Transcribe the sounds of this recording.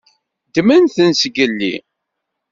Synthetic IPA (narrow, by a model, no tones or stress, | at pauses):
d̪mænθənsɡəlːḭ